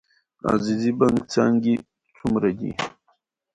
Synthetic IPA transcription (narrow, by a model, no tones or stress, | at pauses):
a̰zizibaŋɡt͡saːŋɡi | t͡sumɾaɡḭ